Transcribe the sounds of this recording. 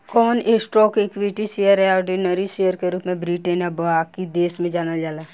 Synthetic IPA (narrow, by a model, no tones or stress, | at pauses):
kɔːnesʈɾɔːkekʋiʈiʃejəɾɦɛɔːɾɖinəɾiʃeːjəɾkeɾuːpmẽbɾiːʈənjabakid̪eːsmẽd͡ʒaːnad͡ʒaːla